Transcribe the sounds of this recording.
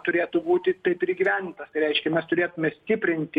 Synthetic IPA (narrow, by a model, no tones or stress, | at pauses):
t̪ʊɾʲeːt̪ʊbuːt̪ʲɪt̪ɐɪpɪɾɡʲiʋʲænʲd̪ʲɪnt̪ɐst̪ɐɪɾʲɛɪʃʲkʲɛmʲɛst̪ʊɾʲeːt̪ʊmʲɛsʲt̪ʲɪːpʲɾʲɪnʲt̪ʲɪ